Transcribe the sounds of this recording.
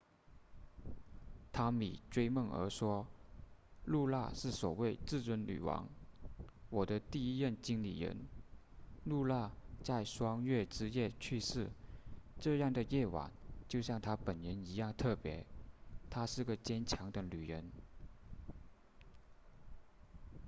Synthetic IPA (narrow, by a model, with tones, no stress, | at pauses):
t̪ʰa˥mḭ˨˩ʈ͡ʂwe˥ɪmə˥˩ŋə̰˞˧˥ʂwɔ˥ | lu˥˧la̰˥˧ʂɻ̩˥˩swɔ˨˩we˥˧ɪt͡sɹ̩˥˩t͡swə˧˥nly̰˨˩wɑ̰˧˥ŋ | wɔ˨˩d̪ə˦t̪i˥˩i˥jə˥˩nt͡ɕi˥ŋlḭ˨˩ɻə̰˧˥n | lu˥˧la˥˧t͡sa˥˩ɪʂwɑ˥ŋɥɛ˥˩ʈ͡ʂɻ̩˥jɛ˥˩t͡ɕʰy˥˧ʂɻ̩˥˩ʈ͡ʂɤ˥˧jɑ˥˩ŋd̪ə˩jɛ˥˩wa̰˨˩˦ŋt͡ɕjo˥˧ʊɕjɑ˥˩ŋt̪ʰa˥pə˨˩nɻə˧˥ni˧˥jɑ˥˧ŋt̪ʰɤ˥˩pjɛ̰˧˥t̪ʰa˥ʂɻ̩˥˩ɡə˩t͡ɕjɛ˥nt͡ɕʰjɑ˧˥ŋd̪ə˧ly˨˩ɻə˧˥n